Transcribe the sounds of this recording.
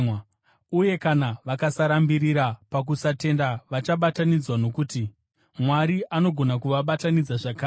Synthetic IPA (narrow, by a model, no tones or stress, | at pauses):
uje̞kanaʋakasaɾambiɾiɾapak̬usate̞ndaʋat͡ʃaɓatanid͡zwano̞kuti | mwaɾiʔano̞ɡʱo̞nakuʋaɓatanid͡zaʐakaː